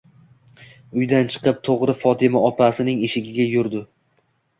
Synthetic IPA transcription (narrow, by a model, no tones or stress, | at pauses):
ʊjd̪ant͡ʃʰɨ̥qɨp̚t̪ʰoʁɾɪfɒt̪ʰɪmaɒpasɪnɪŋeʃɪɡʲɪɡʲajʊɾd̪ɪ